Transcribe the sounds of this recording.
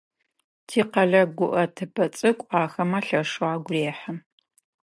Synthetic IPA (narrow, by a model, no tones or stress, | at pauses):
tʰiːqɐɮɐɡʷʊʔɐtʰɨpʰɐt͡sʼɨkʷʼaːxɐmɐɬɐʂaːɡʷʊreːħəm